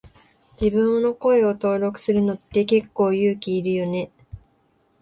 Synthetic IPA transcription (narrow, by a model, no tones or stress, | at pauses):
d͡ʑibɯ̟̃ɴ̃nːo̞ko̞e̞o̞t̪o̞ːɾo̞kɯ̟̥sɨɾɯ̟no̞t̪ːe̞ke̞kːo̞ːjɯ̟ːkʲiːɾɯ̟jo̞ne̞